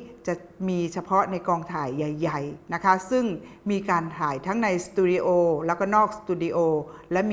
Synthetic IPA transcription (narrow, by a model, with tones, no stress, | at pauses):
t͡ɕa˨˩ʔmiː˧t͡ɕʰa˧pʰɔ˦˥na˧jkɔː˧ŋt̪ʰaː˩˦jːa˨˩jːa˨˩jna˦˥kʰa˦˥sɯ˥˩ŋ | miː˧kaː˧nt̪ʰaː˩˦jt̪ʰa˦˥ŋna˧jst̪uː˧di˧ʔoː˧lɛː˦˥kɔː˥˩nɔː˥˩k̚st̪uː˧di˧ʔoː˧lɛ˦˥mː˧